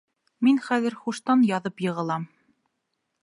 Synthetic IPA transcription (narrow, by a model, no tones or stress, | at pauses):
minχæðɘ̆ɾχuʃt̪ɑnjɑðɤpjɤ̆ʁɤ̆lˠɑm